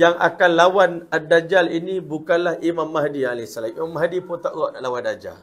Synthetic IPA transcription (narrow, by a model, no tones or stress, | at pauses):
jaŋʔa̰kanlawanadːad͡ʒalinibukanlahimamːaɦdialɛsalamimamːaɦdipont̪aʔɣɔʔnaʔlawandad͡ʒa̰l